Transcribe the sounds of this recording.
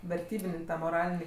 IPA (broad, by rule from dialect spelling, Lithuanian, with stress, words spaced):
ʋʲɛrʲˈtʲiːbʲɪnʲ ˈtɑː moːˈrɑːlʲɪnʲiː